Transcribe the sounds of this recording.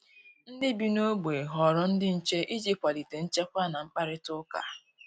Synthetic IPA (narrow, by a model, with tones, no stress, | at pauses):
n̩˦dɪ˦bi˨˦no˦ɡ͡be˨ɦɔ˨ɾɔ˦n̩˦dɪ˦n̩˦t͡ʃe˦ʔi˦d͡ʒi˦kʷa˨li˨te˨n̩˦t͡ʃe˦kʷa˦na˨ŋ͡m̩˦k͡pa˦ɾɪ˦tʊ˦ka̰˨